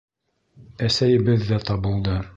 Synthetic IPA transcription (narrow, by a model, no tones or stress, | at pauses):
æsæjɘ̆bɘðːæt̪ɑbɤ̆lˠd̪ɤ